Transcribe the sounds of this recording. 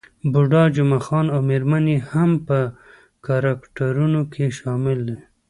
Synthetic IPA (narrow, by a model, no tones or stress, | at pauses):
bʊɖɑd͡ʒʊmaxɑnawmeɾmanehampə | kaɾɑkʈaɾunokʰeʃɑmɪld̪e